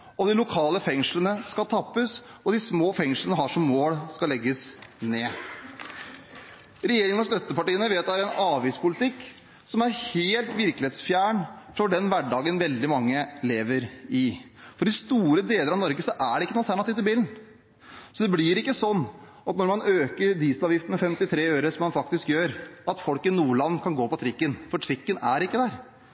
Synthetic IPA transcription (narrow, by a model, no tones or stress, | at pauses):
ɔd̪ɪlʊkʰɑːləfɛŋʂlənəskɑt̪ʰɑpːəsɔd̪ɪsmoːfɛŋʂlənəɦɑʂɔmːoːlskɑlɛɡːəsneː | ɾɛjeːɾɪŋənɔst̪œt̪ːəpɑʈiːənəʋeːt̪æɾɛnɑːʋiːspʰʊlɪt̪ɪkː | sɔmæɾheːlt̪ʋɪɾklɪeːt̪sfjæːɳfɔɖɛnʋæɖɑːɡənʋɛld̪ɪmɑŋːəleːʋəɾɪ | fɔɖɪst̪uːɾəd̪eːləɾɑʋnɔɾɡəsɔʔæɖɛɪkːənuːlt̪ʰæɳɑt̪ɪːʋt̪ɪlbiːln̩ | sɔd̪ɛblɪɾɪkːəsɔnː | ɑt̪nɔɾmɑnøːkəɾd̪iːsəlɑːʋjɪft̪ənmɛfɛmt̪ɪt̪ʰɾeːøːɾəsɔmːɑnfɑkt̪ɪskjøːɾɑt̪fɔlkɪnuːəlɑnːkʰɑnɡoːpɔt̪ʰɾɪkːənfɔʈʰɾɪkːənæɾɪkːəd̪æɾ